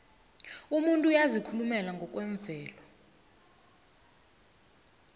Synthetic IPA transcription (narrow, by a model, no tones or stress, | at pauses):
umuntʼujazikʰulumɛlaŋɡʱɔk̬ʼwɛɱb̪vʱɛːlɔ